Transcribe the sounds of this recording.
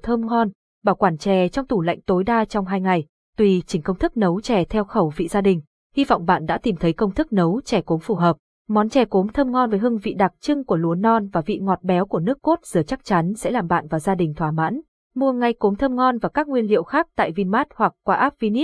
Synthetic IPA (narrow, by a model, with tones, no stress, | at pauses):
t̪ʰə˧mŋɔ˧n | ɓaː˧˩wkwaː˧˩nt͡ɕɛ˨˩t͡ɕɔ˧wŋ͡mt̪u˧˩la̰˧˨jŋ̟t̪o˨˦jɗaː˧t͡ɕɔ˧wŋ͡mɦaː˧jŋa˨˩j | t̪wi˧˩t͡ɕï˨˩ŋ̟kə˧wŋ͡mt̪ɨ˦˥k̚nə˨˦wt͡ɕɛ˨˩t̪ʰɛ˧wxə˧˩wvḭ˧˨zaː˧ɗï˨˩ŋ̟ | hi˧vɔ̰˧˨wŋ͡mɓa̰ː˧˨nɗa̰˧˥t̪i˨˩mt̪ʰə˨˦jkə˧wŋ͡mt̪ʰɨ˦˥k̚nə˨˦wt͡ɕɛ˧˩ko˨˦mfu˨˩ɦəː˨˩p̚ | mɔ˨˦nt͡ɕɛ˨˩ko˨˦mt̪ʰə˧mŋɔ˧nvəː˨˦jɦɨ˧əŋvḭ˧˨ɗa˨˩k̚t͡ɕɨ˧ŋku˧˩əlu˨˩ənɔ˧nvaː˨˩vḭ˧˨ŋɔ˨˩t̚ɓɛ˨˦wku˧˩ənɨ˦˥əkːo˦˥t̚z̥ɨ˨˩ət͡ɕa˦˥k̚t͡ɕa˨˦nsɛ̰˧˥laː˨˩mɓa̰ː˧˨nvaː˨˩wzaː˧ɗï˨˩ŋ̟t̪ʰwaː˧˩ma̰ː˧˥n | mu˧əŋa˧jko˨˦mt̪ʰəː˧mŋɔ˧nvaː˨˩kaː˦˥k̚ŋwi˧ənlḭ˧˨əwxaː˦˥k̚t̪a̰ː˧˨jvi˧nmaː˦˥t̚hwa˨˩k̚kːwaː˧ʔaː˦˥p̚vi˧ni˦˥t̚